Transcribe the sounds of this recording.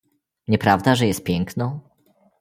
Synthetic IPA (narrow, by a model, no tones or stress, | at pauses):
ɲɛpɾavd̪aʐɛjɛst̪̚pʲjɛŋknɔ̃w̃